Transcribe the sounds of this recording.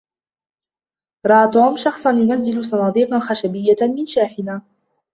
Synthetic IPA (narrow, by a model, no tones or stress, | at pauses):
ɾˤɑʔat̪uːmʃɑxsˤɑnjʊnazːɪlʊsˤɑnɑːd̪ˤiːqɑnxaʃabɪjːamɪnʃaːħɪnaː